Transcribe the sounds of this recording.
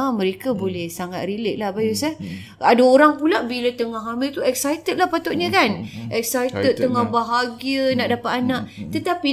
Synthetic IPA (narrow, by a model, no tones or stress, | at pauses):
mə̃ɾekabolɛhsaŋat̪̚rilɪʔ̚lahbajusa | adaoɾaŋpulaʔbilat̪əŋaɦamɪlt̪uɛk̚sajt̪ət̪̚lahpat̪ɔʔ̚ɲə̃kanʔɛk̚sajt̪ət̪̚ːəŋahbaɦaɡiənaʔdapat̪anãʔt̪ət̪api